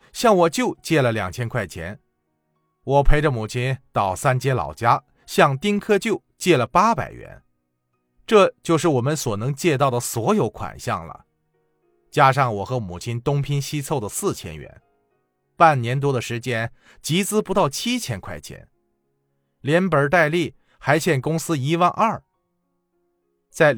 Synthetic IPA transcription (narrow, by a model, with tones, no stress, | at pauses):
ɕjɑ˥˩ŋwɔ˨˩t͡ɕjo˥˧ʊt͡ɕjɛ˥˩lə˩ljɑ̰˨˩ŋt͡ɕʰjɛ˥nkʰwa˥˩ɪt͡ɕʰjɛ̰˧˥n | wɔ˨˩pʰe˧˥ɪʈ͡ʂə˧mu˨˩t͡ɕʰi˥nt̪ɑ˨˩ʊsa˥nt͡ɕjɛ˥lɑ̰˨˩ʊt͡ɕja˥ | ɕjɑ˥˧ŋt̪i˥ŋkʰɤ˥t͡ɕjo˥˩ʊt͡ɕjɛ˥˩lə˩pa˥pa̰˨˩ɪɥɛ̰˧˥˦n | ʈ͡ʂɤ˥˧t͡ɕjo˥˧ʊʂ̬ɻ̩˥˩wɔ˨˩mə˧˦nswɔ˨˩nɤ˧˥ŋt͡ɕjɛ˥˧t̪ɑ˥˩ʊd̪ə˩swɔ˧˥jo˧˥ʊkʰwa̰˨˩nɕjɑ̰˥˩ŋlə̰˩ | t͡ɕja˥ʂɑ˥˩ŋwɔ˨˩xɤ˧˥mu˨˩t͡ɕʰi˥nt̪ʊ˥ŋpʰi˥nɕi˥t͡sʰo˥˩ʊd̪ə˩sɹ̩˥˩t͡ɕʰjɛ̰˥nɥɛ̰˧˥n | pa˥˩nnjɛ˧˥nt̪wɔ˥d̪ə˨ʂɻ̩˧˥t͡ɕjɛ˥n | t͡ɕi˧˥t͡sɹ̩˥pu˧˥t̪ɑ˥˩ʊt͡ɕʰi˥t͡ɕʰjɛ˧˥nkʰwa˥˩ɪt͡ɕʰjɛ̰˧˥n | ljɛ˧˥npə˞˨˩˥t̪a˥˧ɪli˥˩ | xa˧˥ɪt͡ɕʰjɛ˥˩nkʊ˥ŋsɹ̩˥i˧˥wa˥˧nʔɐ˞˥˩ | t͡sa˥˩ɪ